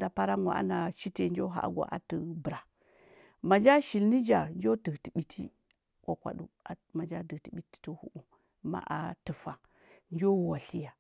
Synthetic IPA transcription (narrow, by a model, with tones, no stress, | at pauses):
da˨pa˦ɾa˦ŋa̰˨a̰˦na˨t͡ʃi˦te˨nd͡ʒo˦ɦa̰˨˦ɡʷa̰˨ʔa̰˨tu˨bɾa˨ | ma˨d͡ʒa˦ʃi˨lni˦d͡ʒa˨nd͡ʒo˦ti˨kti˨ɓi˨tʰi˦ | kʷa˨kʷa̰˨ɗṵ˦a˨ma˨d͡ʒa˦di˨ti˨ɓi˦ti̥˦tu˦hṵ˨ʔu˨ | ma̰˦ʔa̰˨tə˨fa˨ | nd͡ʒo˦˨wa˨ɬi˦ja˨